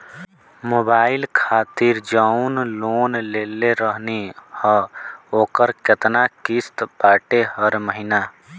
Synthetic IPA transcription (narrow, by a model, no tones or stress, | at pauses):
moːbaːɪlkʰaːt̪iɾd͡ʒaunloːnleːleɾəɦnihəoːkəɾkɪt̪nakist̪paːʈeɦəɾməɦinaː